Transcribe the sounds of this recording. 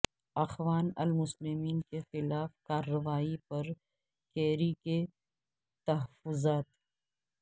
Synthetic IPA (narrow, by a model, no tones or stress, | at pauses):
ɐxʋaːnɐ̰lmʊslɪmiːnkexɪlaːfkaːɾːɐʋaːipɐɾ | kɛːɾike | t̪ɐɦɐfʊzaːt̪